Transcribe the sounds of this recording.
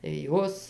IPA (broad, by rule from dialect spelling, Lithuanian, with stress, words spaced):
tɐɪ ˈjoːs